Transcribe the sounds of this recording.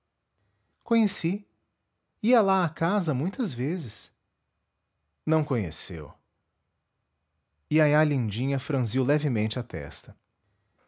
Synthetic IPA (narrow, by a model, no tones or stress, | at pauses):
kõɲesi | iɐlaakazɐmũj̃t̪ɐzvezɪs | nɐ̃w̃kõɲḛsḛw | iajalĩd͡ʒĩɲɐfɾɐ̃ziwlɛvɪmẽnt͡ʃɪɐt̪ɛ̰st̪ɐ